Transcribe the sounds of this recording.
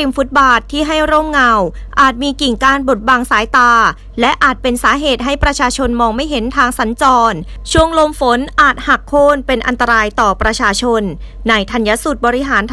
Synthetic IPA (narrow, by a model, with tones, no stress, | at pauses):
i˨˩mfu˦˥t̪̚baː˨˩t̪ʰːiː˥˩ɦa˥˩jɾoː˥˩mŋa˧w | ʔaː˨˩t̪̚miː˧ki˨˩ŋkaː˧nbo˨˩t̪̚baː˧ŋsaː˩˦jt̪aː˧ | lɛ˦˥ʔaː˨˩t̪̚pe˧nsaː˩˦ɦeː˨˩t̪̚ɦa˦˥˩jpɾa˧t͡ɕʰaː˧t͡ɕʰo˧nmɔː˧ŋma˥˩jɦe˩˦nt̪ʰaː˧ŋsa˩˦nt͡ɕɔː˧n | t͡ɕʰu˥˩əŋlo˧mfo˨˦nʔaː˨˩t̪̚ha˨˩kʰːoː˥˩npe˧nʔa˧nt̪a˧ɾaː˧jt̪ɔː˨˩pɾa˧t͡ɕʰaː˧t͡ɕʰo˧nː | a˧jt̪ʰa˧nja˦˥su˨˩t̪̚bɔː˧ɾi˦˥ɦaː˩˦nt̪ʰ